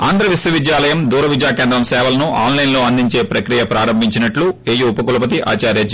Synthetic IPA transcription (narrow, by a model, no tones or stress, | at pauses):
aːnd̪ɾɐʋisjɐʋid̪jaːlɐjɐmd̪uːɾɐʋid͡ʒ̪jaːkeːnd̪ɾɐmsɛːʋɐlɐnuʔa̰ːnlɐjnlo̞ːɐnd̪iɲt͡ʃe̞ːpɾɐkɾijɐpɾaːɾɐmbʱiɲt͡ʃinɐʈlueːjuːpɐkulɐpɐt̪iʔa̰ːt͡ʃaːɾjaːd͡ʒ